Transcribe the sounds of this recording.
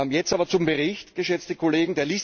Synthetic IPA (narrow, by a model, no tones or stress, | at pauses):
amjɛt͡staːbɐt͡sʊmbəʁɪçtɡ̥əʃɛt͡stəkʰoleːɡŋ̩deːɐliːs